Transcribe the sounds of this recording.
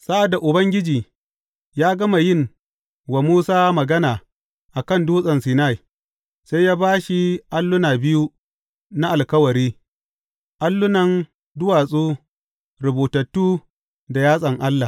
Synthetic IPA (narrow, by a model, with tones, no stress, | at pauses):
sa˦ʔa˨da˨ʔʊ˨bɐ˦ŋɡʲɪ˦d͡ʒiː˨ | jaː˦ɡɐ˦ma˨jɪ˦˨ŋ | wa˨muː˦saː˦mɐ˨ɡɐ˦naː˨ | ʔa˨kɐ˦˨nduː˦sʼɐ˨nsiː˨na˦˨ji˨ | sa˦jjaː˦baː˦ʃi˦ʔa˦lːʊ˦naː˨bɪ˦ju˦ | na˦ʔa˨lkɐ˦wɐ˨ɾiː˦ | ʔa˦lːʊ˦nɐ˦n | dʊ˦waː˨sʼuː˦ | ɾɐ˨boː˨tɐ˨tːuː˦ | da˨jaː˦sʼɐ˨ŋʔa˦lːa˨